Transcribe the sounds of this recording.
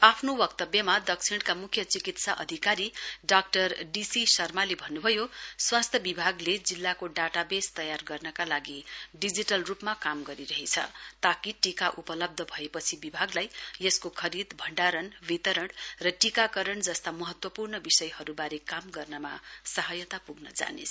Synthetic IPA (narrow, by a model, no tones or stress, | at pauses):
apʰnowʌk̚t̪ʌbjʌmad̪ʌk̚t͡sʰiɽkamukʰjʌt͡sikit̪saʔʌ̰d̪ʱikaɾiɖak̚ʈʌrɖisisʌrmalebʱʌnːubʱʌjoswast̪ʰjʌbibʱaɡled͡zilːakoɖaʈabest̪ʌjarɡʌrnʌkalaɡiɖid͡ziʈʌlrupmakamɡʌɾiɾʌɦet͡sʰʌ̰t̪akiʈikaʔupʌlʌb̚d̪ʱʌbʱʌepʌt͡sʰibibʱaɡlajeskokʰʌɾid̪bʱʌɳɖaɾʌnbit̪ʌɾʌɽrʌʈikakʌɾʌɳd͡zʌst̪amʌɦʌt̪wʌpurnʌbisʌjhʌɾubaɾekamɡʌrnʌma̰sʌɦʌjʌt̪apuɡnʌd͡za̰nḛsʰ